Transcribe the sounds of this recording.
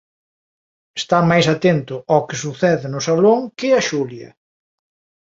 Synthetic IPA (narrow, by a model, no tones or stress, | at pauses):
est̪amajsat̪ent̪ʊawkɪsuθɛðɪnʊsaloŋkɪɐʃuljɐ̰